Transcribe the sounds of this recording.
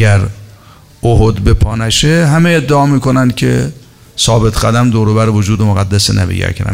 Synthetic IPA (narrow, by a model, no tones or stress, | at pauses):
æɾ | oɦod̪be̞pʰɒːnæʃeɦæmeed̪ːeɒːmiːkonænd̪kʲʰe | sɒːbet̪ʰɡæd̪æmd̪oːɾobæɾevod͡ʒuːd̪emoɣæd̪ːæsenæ̰bḛjæ̰ɾkʰɾæ̰